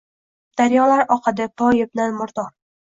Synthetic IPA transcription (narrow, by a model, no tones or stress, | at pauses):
d̪̥aɾjɒlaɾɒqʰɨd̪apʰɒjɪb̚nanmʊɾd̪ɒɾ